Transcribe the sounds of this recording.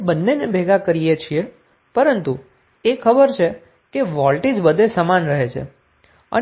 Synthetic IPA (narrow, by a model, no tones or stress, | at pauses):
bənːenebʱeɡakəɾijet͡ʃʰie | pəɾənt̪u | ekʰəbəɾt͡ʃʰe | keʋɔlʈid͡ʒbəd̪ʱesəmanɾəɦet͡ʃʰḛ | ə̰